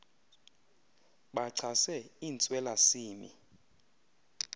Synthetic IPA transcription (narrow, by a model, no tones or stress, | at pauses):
ɓaǀʰasɛiːnt͡sʼwɛlasiːmḭ